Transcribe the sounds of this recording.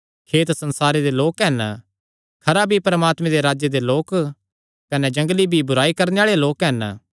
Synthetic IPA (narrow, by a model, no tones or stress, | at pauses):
kʰeːt̪sɐ̃nsaːɾed̪eloːkɦɛn | kʰɐɾabʱipɐɾəmaːt̪mẽd̪eɾaːd͡ʒjed̪eloːk | kɐnɛd͡ʒɐ̃ŋɡlibʱibʊɾaːikɐɾneaːɭeloːkɦɛn